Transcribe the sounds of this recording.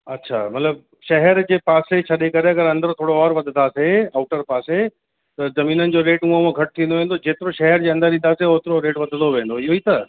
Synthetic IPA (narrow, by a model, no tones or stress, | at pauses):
ɐtːɕʰa̰mɐt̪ləb | ʃɐɦɛɾd͡ʑeːpaːset͡ɕʰɐɗekɐɾeɐɡəɾɐ̃nd̪əɾt̪ʰoːɽoɔːɾʋɐd̪ʱt̪ʰaːseaːʊʈəɾpaːse | t̪ɐzɐmiːnənɪ̆d͡ʑoːɾeːʈmũɦouõɡʱɐʈ̚t̪ʰĩnd̪oʋẽːnd̪od͡ʑeːt̪ɪɾoʃɛɦɛɾd͡ʑeːɐ̃nd̪əɾɗĩnd̪aseoːt̪ɪɾoɾeːʈʋɐd̪ʱənd̪oʋẽːn̆d̪oɪɦoiːt̪ɐ